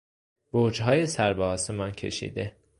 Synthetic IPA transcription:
b̥oːd͡ʒɦɒːje̞sæɾbɒɒːsemɒncʰe̞̰ʃḭːd̪e

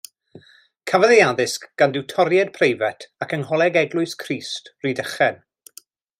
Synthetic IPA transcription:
kʰavəðejaðɪskɡ̥andɪwtʰɔɾjɛd̚pʰrejvɛtʰakənɦɔlˠɛɡɛɡlˠʊɨskʰriːstridəχɛn

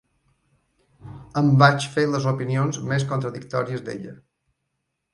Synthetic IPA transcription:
əmbat͡ʃfeləzopinionzmeskunt̪ɾəðik̚t̪ɔɾiəzd̪ḛʎə

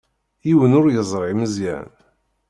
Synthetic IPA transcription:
jiwənʊɾjəzˤɾˤɪməzjæ̰n

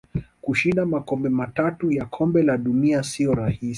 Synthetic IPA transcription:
kuʃindamakɔmbɛmatatujakʰɔmbɛlaɗuniasiɔɾahis

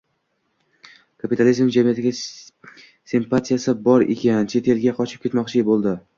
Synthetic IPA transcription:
kʰapit̪ʰalizmmd͡ʒamijat̪ʰɪɡʲa | simpat̪ʰijasɪbɒɾḛkʲant͡ʃʰe̞t̪ʰe̞lɡʲaqʰɒt͡ʃʰɪ̥p̚kʲe̞t̪mɒqt͡ʃʰɪbolˠd̪ɪ

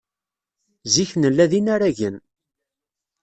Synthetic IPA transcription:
ziçnəlːæðinaɾæʝən

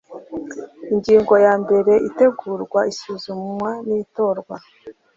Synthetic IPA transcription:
iɲɟiːŋɡo̞jaːmbe̞ɾe̞ʔite̞ɡuːɾɡwaisuːzumwanito̞ːɾɡwa

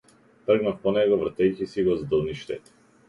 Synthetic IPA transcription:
t̪rəɡnafpɔnɛɡɔvɾrat̪ɛjcʲisiɡɔzd̪əlˠniʃt̪ɛ̰t̪

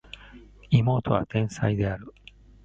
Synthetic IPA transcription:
imo̞ːt̪o̞βa̰t̪ẽ̞ɰ̃said̪e̞aɾɯ̟

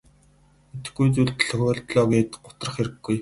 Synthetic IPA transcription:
et̪ɘ̆ɡujt͡suɮt̪ɮɔxʲɔːɮt̪ɮɔːɡeːt̪ɢʊt̪rə̆χeɾɘ̆ɡːuj

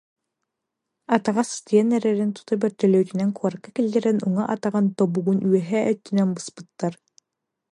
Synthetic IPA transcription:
at̪aʁast̪iɛnɛɾɛɾint̪u̥t̪abœɾt̪œlœjt̪ynɛŋkuaɾkakilʲd̪ɛɾɛnuŋaʔat̪aʁant̪ɔbuɡunyɛɦɛœt̪ːynɛnbɯspɯ̥t̪ːaɾ

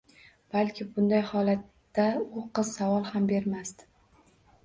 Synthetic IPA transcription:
b̥alkʲʰɪbʊnd̪ajhɒlat̪ːaʊqʰɨz̥savɒlˠhambe̞ɾmast̪ɪ

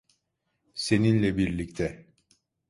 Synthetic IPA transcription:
se̞ninlʲɛbiɾlʲict̪ʰɛ

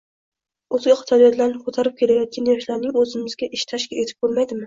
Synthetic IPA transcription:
ozɡʲɛχʰɑ̥t̪ʰɑlijɔd̪ʰlaɾnɪkʰot̪ʰɑɾɨp̚kʲʰelɛjɒt̪̚kʲanjɒʃlˠaɾnɪŋøzɪmɪzɡʲɛʔiʃt̪ʰɑʃkʲɛet̪ʰɪ̥p̚bolˠmajd̪ɪmɪ

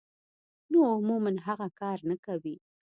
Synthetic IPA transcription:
noʊmumanɦaɣakɑɾnakawi

